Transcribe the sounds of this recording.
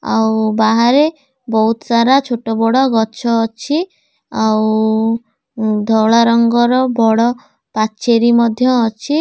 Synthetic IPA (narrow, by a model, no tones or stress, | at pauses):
a̰wbaɦaɾe | bɔɦut̪ɔsaɾat͡ʃʰoʈɔbɔɽɔɡɔt͡ʃʰɔːt͡ʃʰi | aw | d̪ʱɔwɭaɾɔŋɡɔɾɔbɔɽɔ | pat͡ʃeɾimɔd̪ʱjɔːt͡ʃʰi